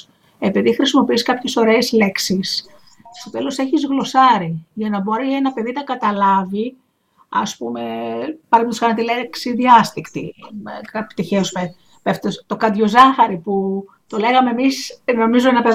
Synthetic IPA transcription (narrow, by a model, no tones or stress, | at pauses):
e̞piðixɾisimo̞piiskɐpçe̞so̞ɾe̞ːzle̞ksis | st̪o̞t̪e̞lo̞se̞çizɣlo̞sɐɾiʝɐnɐbo̞ɾie̞nɐpe̞ðinɐkɐt̪ɐlɐvi | ɐ̰spume̞pɐɾimet̪uskɐnɐt̪ileksiðiɐst̪ikt̪ḭkɐpt̪içeosme | peft̪ost̪o̞kɐd̪ʝo̞zɐxɐɾipu | t̪o̞le̞ɣɐmeːmisno̞mizuenɐpɐ